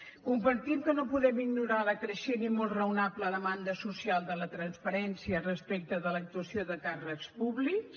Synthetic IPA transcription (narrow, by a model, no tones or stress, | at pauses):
kumbəɾt̪imkənopuðɛmiɡnuɾaləkɾəʃenimolˠrəwnapləðəmand̪əsusialˠd̪ələt̪ɾənspəɾɛnsiərəspek̚t̪əðələk̚t̪uəsioðəkarəkspuβliks